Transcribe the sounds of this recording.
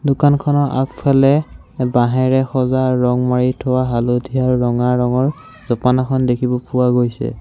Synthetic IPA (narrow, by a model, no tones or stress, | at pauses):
dʊkankʰɔnɔʔa̰kpʰɛlɛ | baɦɛɹɛxɔzaɹɔŋmaɹitʰowaɦalodʱiaɹɹɔŋaɹːɔŋɔɹ | z̥ɔpanakʰɔndekʰibɔpʊwaɡojsɛ̰